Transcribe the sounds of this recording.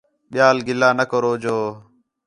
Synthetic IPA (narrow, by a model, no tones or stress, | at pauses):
ɓɪjaːlɡɪlaːnəkəɾoːd͡ʒoː